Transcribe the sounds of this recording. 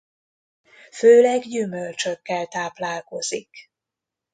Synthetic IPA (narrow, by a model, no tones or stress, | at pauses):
føːlɛɡjymølt͡ʃøkːɛlt̪aːplaːlko̞zik